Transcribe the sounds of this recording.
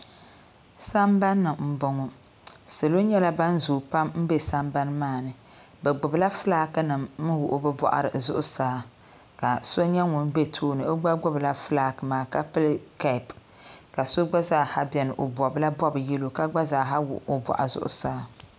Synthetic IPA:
sa˦mba˦nːɨ˨m̩˦bɔ˨ŋɔ˨ | sɨ˨lo˦ɲɛ˦la˦ba˦n˦zuː˨pa˦mm̩˦be˦sa˦mba˦n˦maː˦˨nɨ˨ | bɛ˨ɡ͡bʊ˨bla˦fɨ˦laː˦kɨ˦nɨ˨mmɨ˦wʊ˨ʔbɨ˦bɔ̰˨ʔa̰˨ɾɨ̰˨zʊ˦ʔʊ˦saː˨˦ | ka˨so˦ɲɛ˦ŋʊ˨n˦be˦tʰoː˦nɨ˨o˦ɡ͡ba˦ɡ͡bʊ˦bla˦fɨ˦laː˦kɨ˨maː˨ka˦pɨ˦lka˨p | ka˨so˦ɡ͡ba˦zaː˦˨ha˦bɛ˨nɨ˨ʔo˨bɔ˨bla˦bɔ˦bɨ˨ji˦lo˨ka˦ɡ͡ba˦zaː˨˦ɦa˦wʊ̰˨ʔo˨bɔ̰˨ʔa̰˨zʊ̰˦ʔʊ̰˦saː˦

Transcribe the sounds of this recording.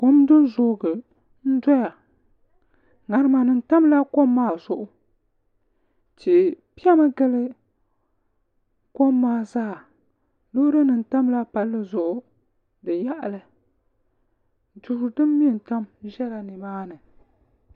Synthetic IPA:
ko˦mdɨ˦n˦zʊː˨˦ɡɨ˨ | n̩˦dɔ˦ja˨ | ŋa˨ɾɨ˦ma˨nɨ˨n̩˦ta˦mla˦ko˦mːaː˦˨zʊ˨ʔʊ˦ | ti˨pi˦a˦ma˦ɡɛ˦lɨ˦ | ko˦mːaː˦zaː˦˨ | lo˦ɾɨ˦nɨ˨n̩˨ta˦mla˦pa˨lːɨ˦zʊ˨ʔʊ˦ | dɨ˨ja˦ʔa˨lɨ˨ | du˨ɾʊ˨dɨ˦mː˦i˦˨n˨ta˦mʒɛ˦la˨ni˨baː˦nɨ˨

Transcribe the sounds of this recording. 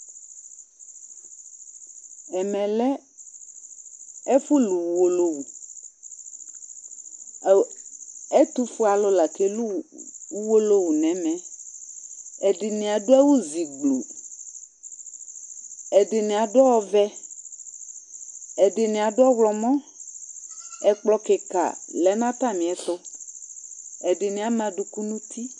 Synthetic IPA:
ɛ˨mɛ̃˨lɛ˦ | ɛ˦fu˦lu˨wu˨wo˨lo˦wu˨ | ɛ˦t̪u˦fu˦a˨lo˦la˨ke˦lu˦wu˦wo˦lo˦wu˨nɛ̃˨mɛ̃˨ | ɛ˨dɪ˨nẽ˨a˨dʊ˦ɛ˦wo˦zi˨ɡ͡blo̰˨ | ɛ˨dɪ˨nẽ˨a˨dʊ˦wɔ˦vɛ˦ | ɛ˨dɪ˨nẽ˨a˨dʊ˦ɔ˦wlɔ˨mɔ̃˦ | ɛ˨k͡plɔ˨kɪ˨ka̰˨lɛ˨˦nã˦t̪a˦˨mĩ˨ɛ˨ɬʊ˦ | ɛ˨dɪ˨nẽ˨˦a˨mã˨dʊ˨ku˦nũ˦t̪ʰi˦

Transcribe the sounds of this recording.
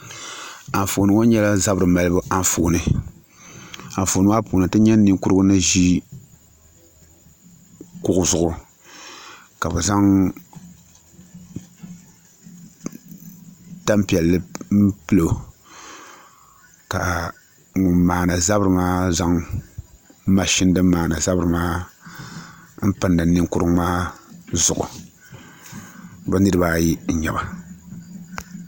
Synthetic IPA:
a˨n˨fu˨nɨ˨ŋo˦ɲɛ˦la˦za˦bɾɨ˨ma˨lɨ˦bɨ˦ʔa˦ɱ˦fu˨nɨ˨ | a˨fu˨nɨ˦wa˦pu˨nɨ˨tɨ˦ɲɛ˦n˦nːɨ˦ŋ˦ku˦ɾɨ˦ɡʊ˦nɨ˦ʒi˦ | kʊ˦ʔʊ˦zʊ˨ʊ˨ | ka˨bɛ˨za˦ŋ | ta˦mpi˨ɛ˨lːɨ˦m̩˦pɨ˦lo˨ | ka˨ | ŋʊ˨mːaː˨na˨za˦bɾɨ˨maː˦za˦ŋ˦ | ma˨ʃɪ˦n˦dɨ˦mːaː˨na˨za˦bɨ˨ɾɨ˨maː˦ | m̩˦pɨ˨nːɨ˨nɨ˦ŋ˦kʊ˦ɾɨ˦ŋmaː˦zʊ̰˨ʔʊ̰˨ | ba˦nɨ˦ɾɨ˦baː˦ji˦ɲ̩˨ɲɛ˨ba˨

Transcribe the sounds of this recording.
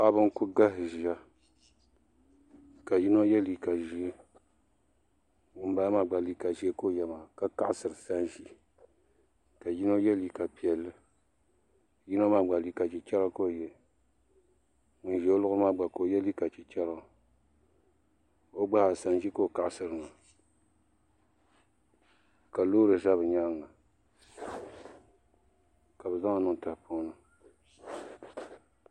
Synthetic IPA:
sa˦bɨ˦kʊ˦ɡa˦ɦɨ˨ʒi˨a˦ | ka˨ji˦no˦jɛ˦li˨ka˨ʒi˨e˦ | ʊ˨m˦ba˦ma˨ɡ͡ba˨li˦ka˨ʒi˨˦e˦ko˦˨jɛ˨ma˨ka˦ka˦ʔsɨ˨ɾɨ˨sa˦nʒi˦ | ka˨ji˦no˦jɛ˦li˨ka˨pi˨ɛ˨lːɨ˦˨ | ji˦no˦ma˨ɡ͡ba˨li˨ka˨t͡ʃi˨t͡ʃɛ˦la˦ko˦˨jɛ˨ | n̩˨ʒɛ˨o˦lʊ˦ɣɨ˦ma˦˨ɡ͡ba˨ko˨˦jɛ˦li˦ka˨t͡ʃi˨t͡ʃɛ˦la˦˨ | o˦ɡ͡ba˦˨sa˨n˨ʒi˦ko˦˨ka˨ʔsɨ˦ɾɨ˨na˨ | ka˨loː˦ɾɨ˨za˦βɨ˨ɲa˦ŋːa˨ | ka˨bɨ˨za˦ŋa˨nɨ˦ŋ˨ta˨hpo˦nɨ˦

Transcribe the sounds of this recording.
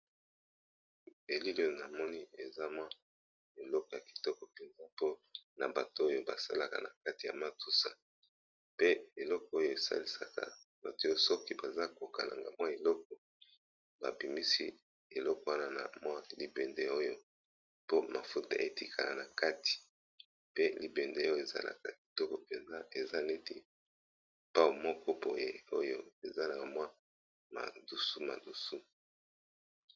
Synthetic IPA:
e˨li˦lo˦˨na˨mɔ˦ni˦e˨za˦mwa˦ | e˨lɔ˦kɔ˨ja˨ki̥˨tɔ˦kɔ˨pe˨nza˦po˦na̰˨ba˨to˦o˦jo˦ba˨sa̰˦la˨ka̰˨na̰˨ka˦ti˨ja̰˨ma˦tu˦sa˨ | pe˦e˨lɔ˦kɔ˨˦o˦jo˨e˨sa̰˦li˨sa̰˨ka̰˨ | ba̰˨ti˦o˦o˦sɔ˦ki˦ba˨za˦ko˨ka˨la̰˨ŋɡa˨mwa˦e˨lɔ˦k̚ɔ˨ | ba̰˨bi˨mi˦sḭ˦ | e˨lɔ˦kɔ˨wa˦na˦na̰˨mwa˦li˨be˨nde˨o˦jo˦ | po˦ma˨fu˦ta̰˦˨ʔe˨ti˦kʰa˨la˨na˨ka˦ti̥˨ | pe˦li˨be˨nde˦jo˦e˨za̰˦la̰˨ka˨ki̥˨tɔ˦kɔ˨pe˨nza˦e˨za˦ne˦ti˦ | pa˦wu˨mɔ˦kɔ˦bo˨jḛ˨o˦jo˦e˨za˦la˨mwa˦ | ma̰˨du˨su˦ma̰˨du˨su˦

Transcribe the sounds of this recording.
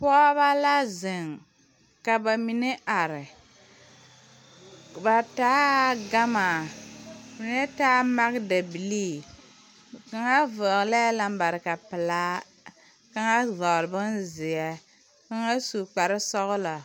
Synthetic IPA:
pɔ˦ba˦la˦zɪ˨ŋ | ka˨ba˨mi˨ne˦ʔa˨ɾɪ˨ | ba˨taː˦ɡa˦ma˨ | mi˨ne˦taː˦ma˦ɡda˨bi˨li˦ | ka˦ŋa˦vɔ˨ɣlɛ˦la˦m˦ba˨ɾɪ˨ka˨pɨ˨laː˦ | ka˦ŋa˦zɔ˨lbɨ˦nzɪ˨jɛ˨ | ka˦ŋa˦su˨k͡pa˨ɾɪ˦sɔ˦ɣlɔ˨

